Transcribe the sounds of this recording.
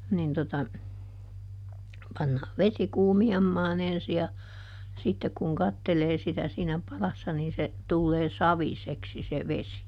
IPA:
nin totɑ pɑnːɑː ʋesi kuːmiɑmːɑːn ensi jɑ sitːek kuŋ kɑtːeleː sitæ siːnæ pɑlɑsːɑ niːn se tulːeː sɑʋiseksi se ʋesi

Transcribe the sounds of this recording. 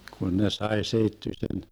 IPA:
kun ne sɑe seitːysen

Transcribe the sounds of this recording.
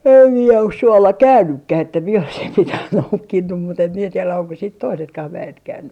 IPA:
em mie os suolːɑ kæynːykːæh etːæ mie oisim mitæh noukːinːum mut em mie tielæ oŋko siːt toisetkɑh ʋæet kæynːy

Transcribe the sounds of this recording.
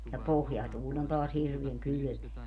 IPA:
jɑ pohjɑtuːlʲ on toɑs hirʋiæŋ kyly̆meæ

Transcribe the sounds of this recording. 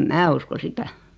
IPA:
mæ usko sitæ

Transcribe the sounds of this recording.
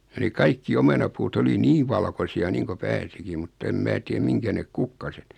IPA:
jɑ ne kɑikːi omenɑpuːt oli niːʋ ʋɑlkosiɑ niːŋko pæːsikim̆ mutː em mæː tiem miŋkæ nek kukːɑset

